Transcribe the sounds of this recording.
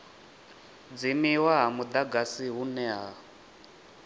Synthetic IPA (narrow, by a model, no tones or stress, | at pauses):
d͡zimiwaɦamud̪aɡasiɦunɛɦa